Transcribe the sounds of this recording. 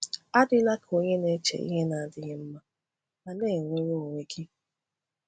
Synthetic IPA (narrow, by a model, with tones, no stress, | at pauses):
a˦dɪ˦la˦ko˦ɲe˦ne˦t͡ʃḛ˨ḭ˦ɦe˦na˨a˨dɪ˦ɣɪ˦m̩˦ma˦ | na˨neː˦˨ŋʷe˦ɾo˦o˨ŋʷe˦kʰi˦